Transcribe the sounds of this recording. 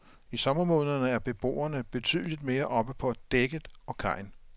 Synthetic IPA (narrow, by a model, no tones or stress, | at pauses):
isɒ̽mɐmɔːðˠnɐnəæɐb̥e̝b̥o̝̰ːɐnəb̥e̝t͡sʰy̰ːð̞ˠlid̥me̝ːɐʔɒ̽b̥əpʰɒ̽æd̥eɡ̥ə̥ɒ̽kʰɑ̈ɪ̰n